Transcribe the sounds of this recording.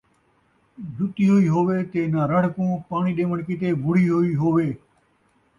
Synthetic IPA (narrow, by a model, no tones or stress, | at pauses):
d͡ʒʱʊt̪iːɦoːiːɦoːʋeːt̪eːnaːɾəɽ̤kũːpaːɳ̃iːɗẽːʋəɳkiːt̪eːbʱʊɽ̤iːɦoːiːɦoːʋeː